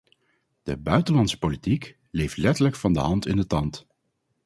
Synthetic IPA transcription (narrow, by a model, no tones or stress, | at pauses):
d̥ə̰bœɥtəlɑnsə̥politik | lejftlɛtələkfɑndə̰ɦɑntɪndətɑnt